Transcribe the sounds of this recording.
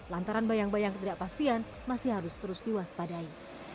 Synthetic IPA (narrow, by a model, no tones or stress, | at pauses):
lant̪aɾanbajaŋbajaŋkət̪idaʔpast̪ian | masiɦaɾʊst̪əɾʊsdewaspadai